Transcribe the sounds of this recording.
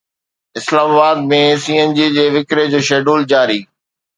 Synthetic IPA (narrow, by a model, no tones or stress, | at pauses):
ɪslaːmaːbaːd̪̚mẽsiːend͡ʑiːd͡ʑeːʋɪkɾed͡ʑoːʃeːɖuːld͡ʑaːɾiː